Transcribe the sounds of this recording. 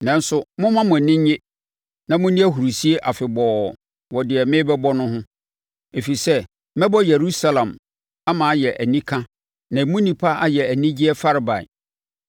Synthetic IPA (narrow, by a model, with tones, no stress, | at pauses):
nɛ̃˨n˦sʊ˦mʊ̃˦mã˦mʊ̃˨nɪ̃˦ɲ˦ɲe˦ | nã˨mʊ̃˦nĩ˦æ˦ɦu˨ɾu˨si˦e˦ʔa˨fɪ˨bɔ˨ | wɔ˨dɪ˨ɛ˨mɪ̃˦bɛ˦bɔ˦nʊ̃˦ɦʊ̃˦ | e˨fi˨sɛ˦ | mɛ̃˦bɔ˦je˨ɾu˦sa˦lã˨m | a˦mã˨˦jɛ˨ʔæ˨nĩ˦kʰã˦ | nã˨mũ˦nĩ˨pʰa˦ʔa˦jɛ˨æ˨nĩ˦d͡ʑi˦ɛ˦fa˦ɾɪ˨ba̰˨ɪ̰˨